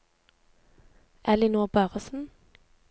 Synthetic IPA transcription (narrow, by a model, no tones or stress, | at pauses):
ʔɛlɪnuːʁbœːʁəsn̩